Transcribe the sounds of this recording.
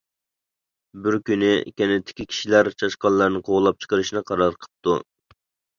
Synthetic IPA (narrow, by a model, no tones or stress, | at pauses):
bɪɾkʲynɪkʲɛnɪt̪ʰːɪ̥kʲikʲʰi̥ʃilæɾt͡ʃʰɑʃqɑnlˠɑɾnɨqʰoʁlˠɑp̚t͡ʃʰə̥qəɾɨʃnɨqʰɑɾɑɾqʰə̥p̚t̪u